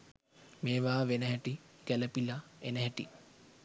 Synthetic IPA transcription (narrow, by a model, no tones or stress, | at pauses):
meːʋaːʋenəɦɛʈiɡ̥æləpilaenəɦɛʈḭ